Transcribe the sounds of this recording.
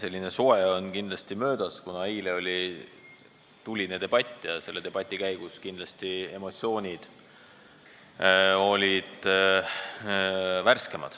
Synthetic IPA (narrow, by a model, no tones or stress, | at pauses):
se̞lʲːine̞soeo̞nkind̪lɑst̪imø̞ːd̪̥ɑskunɑejleo̞lʲi | t̪ulʲined̪̥e̞b̥ɑt̪ʲːˑjɑse̞lːe̞t̪e̞b̥ɑt̪ʲːˑikæjɡ̥uskind̪lɑst̪ie̞mo̞t̪sio̞ːnʲid̪̥ | o̞lʲid̪̥ | værske̞mɑ̰d̪̥